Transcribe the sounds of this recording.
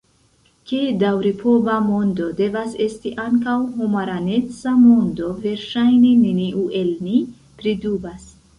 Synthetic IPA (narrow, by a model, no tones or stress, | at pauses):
kedawɾipʰo̞bamo̞ndo̞de̞vase̞stiʔaŋkawhumaɾane̞t͡samo̞ndo̞ve̞ɾʃajnineniʔuʔe̞lni | pɾidubas